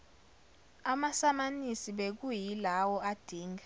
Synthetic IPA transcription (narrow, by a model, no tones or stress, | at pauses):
amasamanisiɓek̬ujilawɔad̥ʱiːŋa